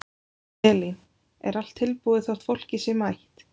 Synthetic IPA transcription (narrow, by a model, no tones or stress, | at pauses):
ɛlin | ɛ̰ɾal̥t̪ʰːɪlpuːðɪθaw̥t̪fowl̥cɪsɛmajht̪